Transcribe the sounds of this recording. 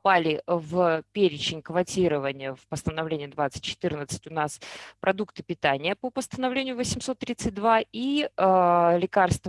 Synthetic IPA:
palʲɪvpʲeɾʲɪt͡ɕɪnʲkvɐtʲiɾəvənʲɪjəfpəst̪ənɐvlʲenʲɪjəd̪vat̪sɨ̥t̚ʲt͡ɕːɪ̥t̪ɨrnət̪sɨ̥tʲʊnaspɾʔɐd̪ukt̪ɨ̥pʲɪt̪anʲɪjəpəpəst̪ənɐvlʲenʲɪjʊvəsʲɪmso̞t̪ːɾʲit̪sɨt̚ʲd̪vaiəlʲɪkarst̪v

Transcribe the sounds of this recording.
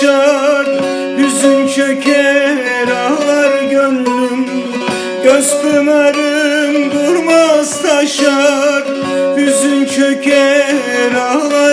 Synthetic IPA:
aɾ | byzynt͡ʃʰøkʰɛ | ɾaɦlˠaɾɯɡønɾym | ɡ̥øst̪ɯmaɾɯnd̪uɾmazt̪aʃaɾ | byzynt͡ʃʰøcʲʰɛ | ɾalˠa

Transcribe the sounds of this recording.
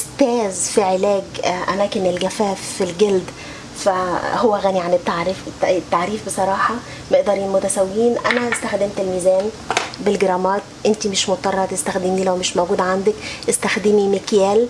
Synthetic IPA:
st̪æːzfiʕelæːɡʔæmæːkɪnelɡæfæːfːilɡeld̪ | fæhowːæɣæːniʕanet̪ːaʕɾeft̪ːaʕɾiːfbesˤɑɾˤɑːħɑ | meʔd̪ɑɾˤiːnmʊt̪æsæwːiːnʔænæʔest̪æxd̪ɪmt̪elmiːzæːn | bɪlɡeɾˤɑːmɑːt̪̚ʔɪnt̪imɪʃmot̪t̪ˤːɑrˤɑɑt̪est̪æxd̪ɪmiːlæwmɪʃmoɡuːd̪ʕand̪ækʔɪst̪æxd̪ɪmimɪkjæːl

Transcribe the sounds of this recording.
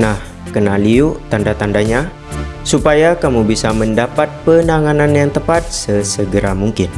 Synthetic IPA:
nah | kənaliut̪andat̪andaɲa | supajakamubisaməndapat̪̚pənaŋananjaŋt̪əpat̪̚səsəɡəɾamuŋkɪn

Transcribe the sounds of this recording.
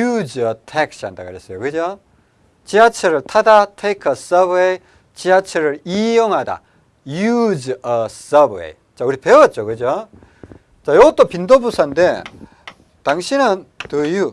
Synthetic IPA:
jud͡ʑʌtʰek̚s͈anda̰ɡɯɾes͈ʌjokɯd͡ʑo | t͡ɕiat͡ɕʰɯɾɯɭtʰadatʰekʰʌsʌbej | t͡ɕiat͡ɕʰɯɾɯɭijʌŋɦada̰ | jud͡ʑʌsʌbḛj | t͡ɕauɾipewʌt̚t͡ɕ͈okɯd͡ʑo | t͡ɕajoɡot͈opindobusʰoande | taŋɕʰinɯntɯju

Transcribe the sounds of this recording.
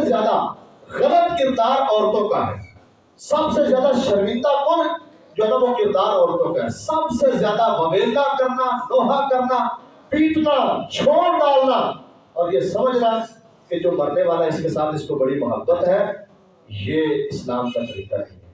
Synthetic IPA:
ezjaːd̪a | ɣɐlət̪kɪɾd̪aːɾɔːɾt̪õkaɦɛ̰ː | sɐbsezjaːd̪aʃɐɾmɪ̃nd̪apʊɾ | d͡ʒoɦd̪abokɪɾd̪aːɾɔːɾt̪õkaɦɛ̰sɐbsezjaːd̪aʋɐʋeːld̪akɐɾnanoːɦakɐɾna | piːʈnat͡ʃʰoːɽɖaːlna | ɔːɾjesɐməd͡ʒʱɾa | ked͡ʒoːmɐɾneʋaːlaɪskesaːt̪ʰɪskobɐɽimʊɦəbːət̪ɦɛ | jeːɪslaːmʃɐsɾḭːt̪a̰iː

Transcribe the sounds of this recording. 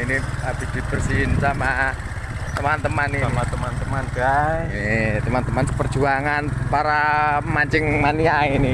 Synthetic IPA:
iniab̥i̤d̪̥i̤b̥ərsiɪnsama | t̪əmant̪əmaniamat̪əmant̪əmanb̥a | t̪əmant̪əmansəpərd̥ʒ̥uaŋanpaɾamaɲd͡ʒɪŋmaniaini

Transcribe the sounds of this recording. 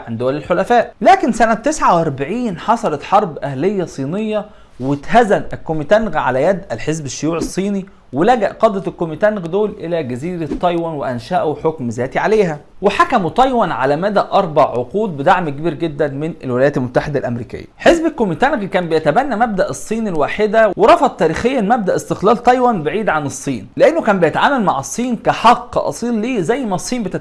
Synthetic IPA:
ʕand̪owælelħolæfæːʔlæːkensænæt̪ːesʕawʔɑɾˤbaʕiːnħɑsˤɑlɑt̪ħɑɾˤbʔæhlejːæsˤiːnejːɑ | wet̪hæzænækːomit̪ænɣʕalæjæd̪ʔælħezbeʃːojuːʕesˤːiːni | welæɡæʔqɑd̪ˤɾɑlkːomit̪ænɣd̪oːlʔelæɡæziːɾæt̪ˤːɑjwɑnweʔænʃæːʔweħokmzæːt̪iʕaleːɦæ | weħakæmut̪ˤɑjwɑnʕa̰læmæd̪æʔɑɾˤbɑʕːoquːd̪̚bed̪aʕmkebiːɾɡed̪ːænmenelwɪlæjæːt̪lmot̪ːaħed̪ælʔæmɾḭːkɪ̰jːæ̰ħezbelkːomit̪ænɡkæːmbejæt̪æbænːæmæb̚d̪æʔesˤːiːnilwaːħed̪æweɾˤɑfɑt̪ːæːɾiːxejːæʔlmæb̚d̪æʔest̪eqlæːlt̪ˤɑjwɑnbeʕiːd̪ʕanesˤːiːnleʔenːokæːmbejæt̪aʕaːmælmaʕɑsˤːiːnkæħɑqːʔɑ̰sˤiːlːiːzæjːmæsˤːiːnbet̪æ

